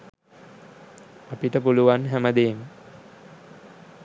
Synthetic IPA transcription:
apiʈəpuluʋanɦæməd̪eːmə

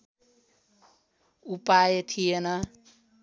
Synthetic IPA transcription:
upajet̪ʰijenʌ

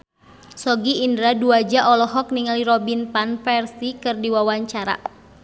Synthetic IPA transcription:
sɔɡiːndɾaduad͡ʒaʔɔlɔɦɔk̚niŋaliɾɔbinpanfɛrsikɨrdiwawaɲt͡ʃaɾa̰

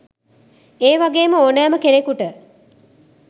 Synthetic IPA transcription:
eːʋaɡeːməoːnæːməkenekuʈə

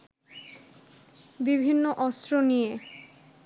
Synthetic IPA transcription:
bibʱinːoʔɔst̪ɾonije

